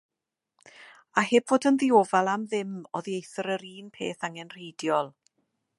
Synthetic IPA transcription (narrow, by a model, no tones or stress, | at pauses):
aheːb̥voːdənðɪoːvalˠamðɪmɔðiejθɔɾəɾiːnpʰḛːθaŋɛnr̥ejdjɔlˠ